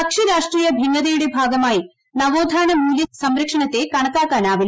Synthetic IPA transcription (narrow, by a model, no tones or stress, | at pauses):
ɐkʂiɾaːʂʈriːjɐbʱiŋːɐðɐjuɽebʱaːɡɐmaːji | nɐʋoːd̪ʱaːnɐmuːljɐsɐmɾɐkʂɐɳɐt̪ːe̞kɐɳɐkːaːkːaːnaːʋil